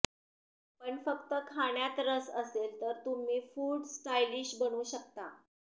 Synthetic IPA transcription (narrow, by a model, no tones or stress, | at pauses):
pəɳfəkt̪əkʰaɳjat̪ɾəsəselt̪əɾt̪um̤iːfuːɽsʈajliɕbəɽ̃uːɕəkt̪a